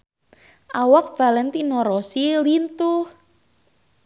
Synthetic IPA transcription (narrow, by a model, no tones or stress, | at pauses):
ʔawak̚v̥alɛnt̪inɔɾɔsilint̪ʊh